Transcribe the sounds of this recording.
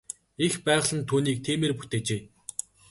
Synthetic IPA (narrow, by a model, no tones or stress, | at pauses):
expæːʁɮə̆nt̪ʰuːniːk̚t̪ʰiːmeːrpu̥t̪eːt͡ɕeː